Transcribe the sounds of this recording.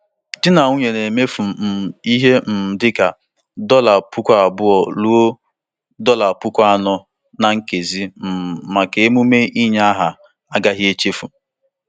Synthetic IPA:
dɪ˦na˨u˦ɲe˨ne˨me˦fu˨m̩˨i˦ɦe˦m̩˨dɪ˦ka˨ | dɔ˦la˨pʊ˦kʷa˦a˨bʊ˦ɔ˨lu˦o˦ | dɔ˦la˨pʊ˦kʷa˦a˦nɔ˦ | na˨ŋ̩˦ke˨zi˦m̩˨ma˨ke˨e˦mu˦me˦i˦ɲ˦a˦ɦa˨ | a˦ɡa˦ɦje˦t͡ʃe˦fu˨

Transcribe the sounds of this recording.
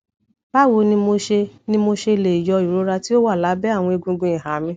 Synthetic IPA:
ba˦wo˧nĩ˧mo˧ʃe˧nĩ˧mo˧ʃe˧le˨i˨jɔ˧i˨ɾo˨˦ɾa˧ti˦o˦wa˦˨la˨˦bɛ˦a˦˨w̃ɔ̃˧i˧ɡũ˧ɡũ˧i˨ɦa˨˦mĩ˧

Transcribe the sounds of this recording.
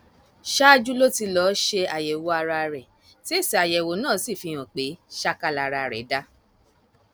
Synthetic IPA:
ʃa˦d͡ʒu˦lo˦ti˧lɔ˨˦ʃe˧a˨jɛ˨wo˨a˧ɾa˧ɾɛ˨ | ti˦e˦˨si˨a˨jɛ˨wo˨˦nãː˦˨˦si˦˨fi˧j̃ɔ̃˨k͡pe˨˦ʃa˦ka˧la˧ɾa˧ɾɛ̰˨˦da˦

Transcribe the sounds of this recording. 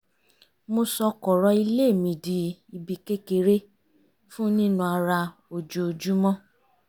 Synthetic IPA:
mo˧sɔ˧kɔ˨ɾɔ˧˦i˧le˦˨mĩ˨di˧˦i˧bi˨˧ke˦ke˧ɾe˦ | fũ˦nĩ˦nũ˧a˧ɾa˧ | o˨d͡ʒo˨o˨d͡ʒu˦mɔ̃˦

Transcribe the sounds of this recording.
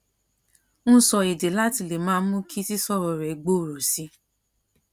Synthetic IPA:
nũ˦sɔ˧e˨de˨la˦ti˧le˨mãː˨˦mũ˦kʰi˦si˦sɔ˦˨ɾɔ˨ɾɛ˨ɡ͡bo˦˨ɾo˨si˨˦

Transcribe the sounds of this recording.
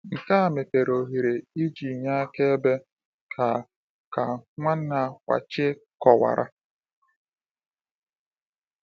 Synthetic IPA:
ŋ̩˨ka˦a˨me˨te˨ɾo˨ɦi˨ɾe˨i˦d͡ʒi˨ɲa˦a˦ke˦e˦be˦ | kʰa˨ | ka˨ŋʷa˦n̩˦na˨kʷa̰˨t͡ʃɪ˦kɔ˨wa̰˨ɾʔa̰˦

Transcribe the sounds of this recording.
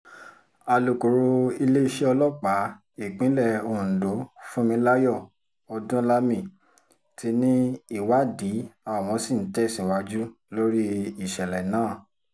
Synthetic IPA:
a˧lo˨ko˨ɾo˧i˧le˦˧ʃi˦ɔ˧lɔ˦k͡pa˨˦ | i˦˨k͡pĩ˨˦lɛ˦˨õ˧˨do˨˦fũ˦mĩ˧˦la˦jɔ˦˨ | ɔ˧dũ˦la˦mĩ˦˨ | ti˧nĩ˦i˦˨wa˨˦di˨˦a˦˨w̃ɔ̃˧si˦˨n̩˨˦tɛ˦˨sĩ˨wa˧d͡ʒu˦ | lo˦ɾi˦i˦˨ʃɛ˨lɛ˨nãː˨˦˨

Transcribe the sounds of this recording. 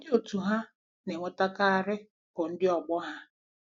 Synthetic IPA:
dɪ˦o˨tu˨ɦa˦ | ne˨ŋʷʊ˨ta˦ka˦a˨ɾɪ˦ | bʊ˨n̩˦dɪ˦ɔ˨ɡ͡bɔ˦ɦa˦

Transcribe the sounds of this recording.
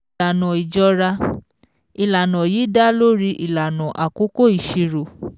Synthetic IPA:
a˨nɔ̃˨i˨d͡ʒɔ˧ɾa˧ | i˨la˨nɔ̃˨jiː˨˦da˦lo˦ɾi˧˦ʔi˨la˨nɔ̃˨ʔa˨ko˦ko˦i˨ʃi˧ɾo˨

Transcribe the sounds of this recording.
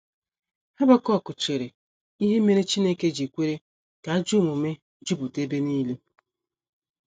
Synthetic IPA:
ha˦ba˦kɔ˦˨kʊ˨t͡ʃe˨ɾe˨ | i˦ɦe˦me˦ɾe˦t͡ʃi˦ne˦ke˦d͡ʒi˨kʷe˦ɾe˦ | ka˨a˦d͡ʒu˦˨mu˨me˦ | d͡ʒu˦bu˨te˦be˦niː˦le˦

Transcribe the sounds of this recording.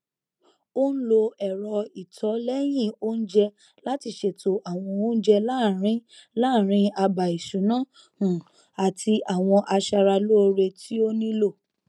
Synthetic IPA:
o˦n̩˦lo˧ɛ˨ɾɔ˧i˨tʰɔ˨˦lɛ˦j̃ĩ˦˨o˦n̩˦d͡ʒɛ˧ | la˦ti˧ʃe˨tʰo˨ʔa˨w̃ɔ̃˧o˦n̩˦d͡ʒɛ˦la˦˨ɾĩ˦la˦˨ɾ̃ĩ˧˦a˧ba˨i˨ʃu˨˦nã˦ | ũ˨ | a˨tʰi˧ʔa˨w̃ɔ̃˧ʔa˧ʃa˧ɾa˧lo˦˧ɾe˧tʰi˦o˦nĩ˦lo˦˨

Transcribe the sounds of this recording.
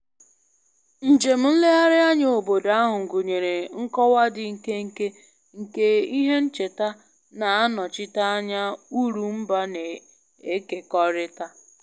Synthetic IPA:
n̩˨d͡ʒe˨m̩˦n̩˦le˦ɦa˦ɾɪ˦a˦ɲ˦o˨bo˨da˦ɦʊ˨ŋ̩˨ɡu˨ɲe˨ɾe˨ŋ̩˦kɔ˦wa˦dɪ˨ŋ̩˨ke˦ŋ̩˨ke˦ | ŋ̩˨ke˦i˦ɦe˦n̩˦t͡ʃe˨ta˦ | na˨a˦nɔ˨t͡ʃɪ˦ta˦a˦ɲa˦u˦ɾu˨m̩˦ba˦ne˨ | e˦ke˨kɔ˦ɾɪ˦ta˦

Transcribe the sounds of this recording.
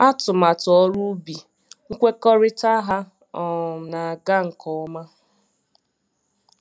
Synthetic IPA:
a˦tʊ˨ma˨tɔ˦ɾu˦bi˨ | u˦kʷe˦kɔ˦ɾɪ˦ta˦ɦa˦ | ɔ˨na˨ɡa˦ŋ̩˨kʰɔ˨˦ma˦

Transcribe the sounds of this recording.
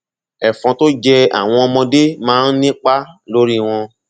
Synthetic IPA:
ɛ˨fɔ̃˨˧to˦d͡ʒɛ˧a̰˨w̃ɔ̃˧ɔ˧mɔ̃˧de˦mãː˨˦n̩˦nĩ˦k͡pa˦lo˦ɾi˦w̃ɔ̃˧

